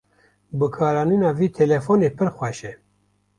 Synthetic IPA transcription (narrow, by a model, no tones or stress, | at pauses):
bɨkʰɑːɾɑːninɑːviːt̪ʰɛlɛfoneːpʰɨɾxʷɛʃɛ